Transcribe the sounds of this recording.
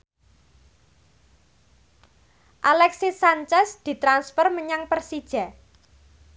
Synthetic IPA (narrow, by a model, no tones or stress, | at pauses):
ʔalɛksisaɲt͡ʃɛsd̪̥i̤t̪ɾansfərməɲaŋpərsid̥ʒ̥ɛ